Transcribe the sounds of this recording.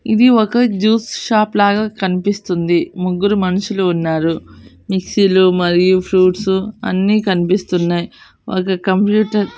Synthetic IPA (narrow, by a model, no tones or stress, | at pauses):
id̪iɔkɐd͡ʒuːsʃaːplaːɡaːkɐnipist̪und̪imuɡːuɾumɐnuʃuluːnːaːɾu | miksilumɐɾijupʰɾuːʈsuɐ̰nːiːkɐnipist̪unːaːji | ɔ̰kɐkɐmpjuːʈɐɾ